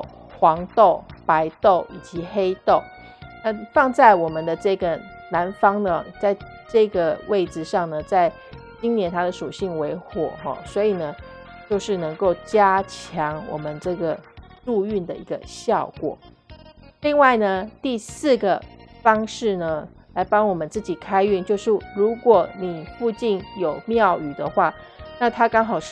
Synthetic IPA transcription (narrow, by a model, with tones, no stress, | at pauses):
xwɑ˧˥ŋt̪o˥˩ʊpa˧˥ɪt̪o˥˩ʊi˨˩t͡ɕi˧˥xe˥ɪt̪o˥˩ʊ | na˥˧fɑ˥˧ŋt͡sa˥˩ɪwɔ˨˩mə˦nd̪ə˧ʈ͡ʂɤ˥˩ɡə˩ | na˧˥nfɑ˥ŋd̪ə˧t͡sa˥˧ɪ | ʈ͡ʂɤ˥˩ɡə˨˩wʔe˥˩ɪʈ͡ʂɻ̩˨ʂɑ˥˩ŋnə˩t͡sa˥˧ɪ | t͡ɕi˥ŋnjɛ˧˥˦nt̪ʰa˥d̪ə˨ʂu˨˩ɕi˥˩ŋwe˧˥ɪxwɔ̰˨˩˦xɔ̰˥˩swɔ˧˥i˨˩nə˦ | t͡ɕjo˥˧ʊʂɻ̩˥˩nɤ˧˥ŋko˥˩ʊt͡ɕja˥t͡ɕʰjɑ˧˥ŋwɔ̰˨˩mə˦nʈ͡ʂɤ˥˩ɡə˩ɻu˥˧y˥˩nd̪ə˩ḭ˧˥ɡə̰˧ɕjɑ˥˩ʊkwɔ̰˨˩˦ | li˥˧ŋwa˥˩ɪnə˩t̪i˥˧sɹ̩˥˩ɡə˩fɑ˥ŋʂɻ̩˥˩nə˩ | la˧˥ɪpɑ˥ŋwɔ˨˩mə˦nt͡sɹ̩˥˩t͡ɕi˨˩kʰa˥ɪy˥˧nt͡ɕjo˥˧ʊʂɻ̩˥˩ɻu˧˥kwɔ˨˩ni˨˩fu˥˧t͡ɕi˥˩njo˨˩ʊmjɑ˥˩ʊy˨˩d̪ə˦xwa˥˩na˥˩t̪ʰa˥kɑ˥ŋxɑ˨˩ʊʂ